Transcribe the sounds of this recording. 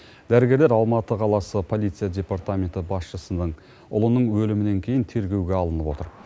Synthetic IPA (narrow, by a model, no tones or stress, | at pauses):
d̪æɾɪɡʲe̞ɾleɾɑlˠmɑt̪əqʰɑlˠɑsəpʰo̞lˠit̪sijadʲe̞part̪amʲe̞nt̪ɪbɑsʃəsənəɴ | ʊ̰lˠənəɴwɵlɪmɪne̞ŋkʲʰe̞jɪnt̪ʰe̞ɾɡʲe̞wɡʲe̞ɑlˠənəpwo̞t̪əɾ